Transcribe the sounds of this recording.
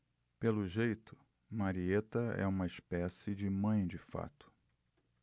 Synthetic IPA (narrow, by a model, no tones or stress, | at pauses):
pelʊʒejt̪ʊ̥ | maɾiet̪ɐɛ̰ũmɐiʃpɛsɪd͡ʒɪmɐ̃j̃d͡ʒɪfa̰t̪ʊ̥